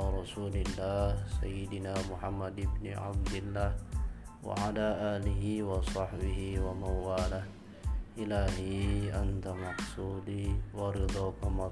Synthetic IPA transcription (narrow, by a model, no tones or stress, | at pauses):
ɾˤɑsuːlɪlːaːhsajːɪd̪ɪnaːmʊħamːad̪ɪbnɪʕa̰b̚d̪ɪlːaːhwa̰ʕalaːʔaːlɪɦɪwɑsˤɑħbɪɦiwamaɾwaːlah | ʔɪlaːhiʔant̪amɑħsuːdiwaɾɪd̪ˤɑkamɑ